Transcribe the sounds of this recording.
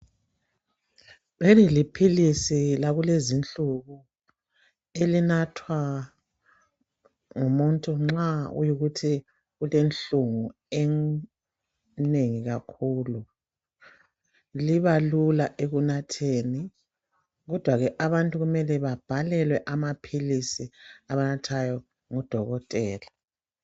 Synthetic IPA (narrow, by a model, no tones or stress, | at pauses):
βelilipʰilisilaɣulezint͡ɬʼuɣu | elinatʰwa | ŋumuntʼuŋ͡ǁaṵjuɣutʰi | ɣulenɬuŋu | ɛ | neŋiɣakʰuːlu | liβalulaʔeɣunatʰeːni | ɣɔd̥ʱwaɣɛʔaβantʼuɣumɛlɛβab̥ʱalɛlwɛʔamapʰilisiaβanatʰajɔ | ŋɔd̥ʱɔɣɔtʼɛːla